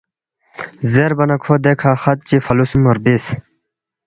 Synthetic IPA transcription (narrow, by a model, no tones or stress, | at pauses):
zeɾbɐnɐkʰod̪ekʰaxɐt̪̚t͡ɕifɐlusumoɾbis